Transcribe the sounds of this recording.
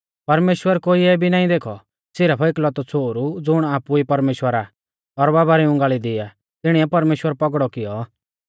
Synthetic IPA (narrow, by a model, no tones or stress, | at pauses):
pɐɾmeːʃwəɾkoːiɛbʱinaːĩd̪eːkʰɔ | sɪɾapʰɔɪklɔt̪ɔt͡sʰoːɾud͡zʊɽ̃aːpuipɐɾmeːʃwəɾa | ɔɾbaːbaɾiʊ̃ŋɡaːɭid̪ɪja | t̪ɪɽ̃iɛpɐɾmeːʃwəɾpɔɡɽɔkɪjɔ